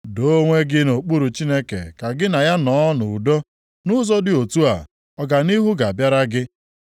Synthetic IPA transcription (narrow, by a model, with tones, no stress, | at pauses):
do˦ŋʷe˦ɡɪ˦no˨k͡pu˦ɾu˨t͡ʃi˦ne˦kḛ˨ka˨ɡɪ˦na˨ja˦nɔː˨˦nʊ˨u˨do˦ | nʊ˦zɔ˦dɪ˨o˨tu˦a̰˨ | ɔ˦ɡa˨ni˦ɦu˦ɡa˨a˨bja˦ɾa˦ɡɪ˦